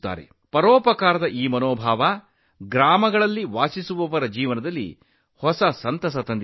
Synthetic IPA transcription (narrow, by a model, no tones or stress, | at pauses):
t̪ːa̰ːɾḛ | pɐɾɔːpɐkaːɾɐd̪ɐʔiːmɐnoːbʱaːʋɐ | ɡɾaːmɐɡɐɭɐlːiʋaːsisuʋɔʋɐɾɐd͡ʒiːʋɐnɐd̪ɐlːḭ | hɔsɐsɐnt̪ɐs̬ɐt̪ɐnd̪